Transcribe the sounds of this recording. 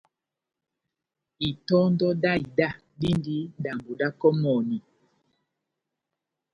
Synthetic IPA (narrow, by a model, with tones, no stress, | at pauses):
i˨tɔ˦ndɔ˦da˦i˨da˦˨ | di˦ndi˦da˨mbu˨da˦kɔ˦mɔ˨ni˨